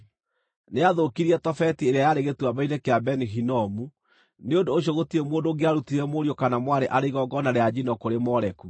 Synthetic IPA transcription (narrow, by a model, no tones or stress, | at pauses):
neaðokiɾiɛtɔfɛtieɾeajaɾeɣetuabainekeabɛniɦinɔmu | neondoːɕ̬jɔɣotiɾemoːndoŋɡeaɾutiɾɛmoɾijokanamwaɾeʔaɾeiɣɔɡɔnaɾead͡ʑinɔkoɾemɔɾɛku